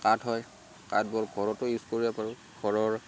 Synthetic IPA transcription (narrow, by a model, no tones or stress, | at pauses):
katɦɔj | kadbɔɹɡʱɔɹɔtʊjuskoɹijapaɹʊ | ɡ̥ʱɔɹɔɹ